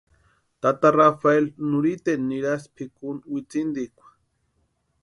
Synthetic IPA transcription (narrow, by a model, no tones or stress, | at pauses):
t̪at̪arafaelnuɾit̪enːiɾaspʰikunwit͡sind̪ikʷḁ